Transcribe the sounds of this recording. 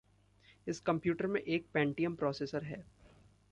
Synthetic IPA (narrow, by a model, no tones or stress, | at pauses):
ɪskɐ̃mpjuːʈəɾmḛ̃ʔeːk̚pɛ̃ːɳʈijə̃mpɾɔːseːsəɾɦɛː